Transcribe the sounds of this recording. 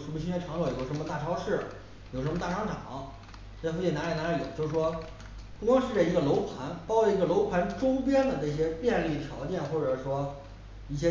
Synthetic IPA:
ʂə˧˥nmə˧ɕi˥t͡ɕɛ˥nʈ͡ʂʰɑ˧˥ŋlɑ˧˩jo˨˩ʊʂə˧˥mə˧t̪a˥˩ʈ͡ʂʰɑ˥ʊʂɻ̩˥˩ | jo˨˩ʊʂə˧˥mə˧t̪a˥˩ʈ͡ʂʰɑ˥ʊʈ͡ʂɑ˨˩˦ŋ | ʈ͡ʂfo˥˩t͡ɕi˥˩na˧˥li˨˩na˧˥li˧˩jo˨˩˦ʊt͡ɕjo˥˧ʂ̩˩ʂwɔ˥ | pu˥˩˧kwɑ˥ŋʂɻ̩˥˩ʈ͡ʂə˥˩i˧˥ɡə˧lo˧˥ʊpʰa˧˥npɑ˥ʊd̪ə˨i˧˥ɡə˧lo˧˥ʊpʰa˧˥nʈ͡ʂʊ˥ŋp̬jɛ˥nd̪ə˨n˥˩ɕ̬jɛ˥pjɛ˥˧nli˥˩t̪ʰjɑ˧˥ʊt͡ɕjɛ˥˩nxwɔ˥˩ʈ͡ʂɤ˨˩ʂwɔ˥ | i˥˩ɕ̬jɛ˥

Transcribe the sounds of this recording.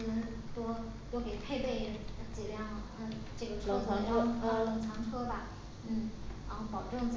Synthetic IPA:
nə˧˥ŋ | t̪wɔ˥ | j̪o˥˩ʊke˨˩ɪpʰe˥˧ɪp̪we˥˩ɪ˥˩t͡s̩˨˩ljɑ˥˩ŋ˩ə˥˧ | ʈ͡ʂɤ˥˩ɡə˩ɤ˧˥ŋt͡sʰɑ˧˥ŋʰɤ˥lɤ˧˥ŋt͡sʰɑ˧˥ŋʈ͡ʂʰɤ˥bɐ˨ | n̩˥˩˧ə˥˩pɑ˨˩ʊʈ͡ʂɤ˥˧ŋt͡s

